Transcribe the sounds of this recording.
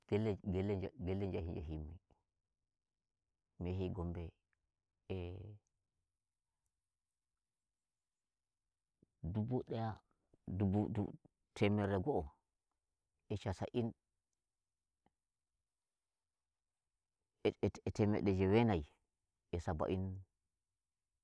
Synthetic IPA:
ɡ̥ɛlɡɛlɛd͡ʒaɡɛlːɛnd͡ʒahind͡ʒa̰ɦimːi | mɛɦiɡɔmbɛ | ɛ | dubuɗɛja | dubudṵ | tʰɛmɛɾɛɡɔɔ | ɛt͡ʃasa̰ʔin | ɛtɛmɛ̰ɗɛd͡ʒɛwɛnaj | ɛsaba̰ʔin

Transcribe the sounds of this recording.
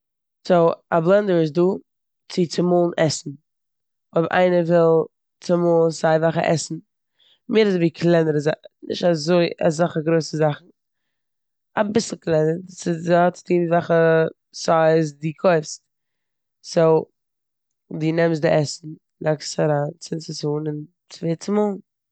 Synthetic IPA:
soablˠɛndəɹɪs̬duː | t͡sɪt͡sɪmulˠn̩ɛsn̩ | ɔbʔa̰ɪnəvɪlˠ | t͡sɪmɔːlˠnsaɪvaχə̰ʔɛ̰sn̩ | mɪːɾɪzviːkʰlˠɛnəɾəzanɪ̰ʃtazoɪa̰zaχəɡɾoɪsəzaχn̩ | abɪsl̩ˠklˠɛnəɾsɪɔt͡sɪ̥tiːnvaχə | saɪzdikʰoɪfst | so | diːnɛms̬dɪʔɛsn̩ | lakstaɾaːnt͡sɪt͡sɪsuːnɪn | t͡sveːt͡sɪmuːlˠn

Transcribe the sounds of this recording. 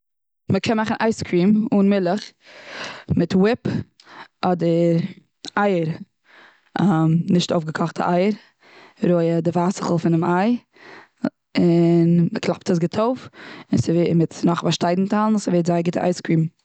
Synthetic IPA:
məkʰɛnmaχn̩ʔaɪskʰɾiːmunmɪlˠəχ | mɪtwɪp | ɔdəɾ | aɪəɾ | amnɪʃtoʊfɡəkʰɔχtʰə̰ʔaɪəɾ | ɾoɪədɪvasə̥χl̩ˠfɪnɪmaɪ | ɪnməklˠap̚təs̬ɡɪtʰoʊfɪnsɪvmɪtnɔχvaʃtaɪdn̩tʰalˠn̩səveɪtzaɪɡɪtəʔa̰ɪskɾiːm

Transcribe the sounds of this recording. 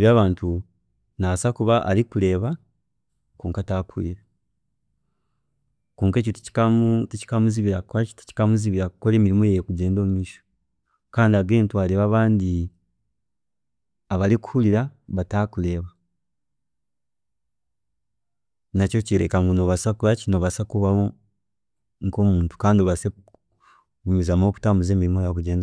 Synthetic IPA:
βjaːβaːntu | nasakuβaʔa̰likule̞ːβa | kuːŋkatakiiɾe | kuːŋkec̬otici̥katici̥kamuziβiɾaktḁci̥kamuziβiɾakukole̞ːmiɾimojejekuɟe̞ːndo̞ːmumiʃo̥ | kaːndiaɡe̞ːntwaleβaβaːndi | aβaliku̥huliɾaβatakule̞ːβa | nacociɾḛkaŋɡunoβasakuβacino̞ːβasakuβaβo | ŋkoːmuːntu̥kaːndioβase | umizamoku̥taːmuze̞ːmiɾimojakuɟeːnda

